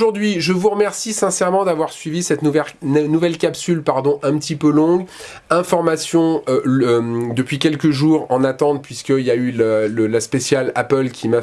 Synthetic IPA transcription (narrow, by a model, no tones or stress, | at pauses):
ʒuʁd̪ɥiʒəvuʁəmɛʁsisɛ̃sɛʁmɑ̃d̪avwaʁsɥivisɛt̪nuvɛnuvɛlkʲapsylpaʁd̪ɔ̃ʔɛ̃pət̪ʰipølɔ̃ɡ | ɛ̃fɔʁmasjɔ̃øømd̪əpɥikʲɛlkəʒuːʁɑ̃nat̪ɑ̃t̪̚pɥiskəiljaylləlaspesjalapœlkʲʰima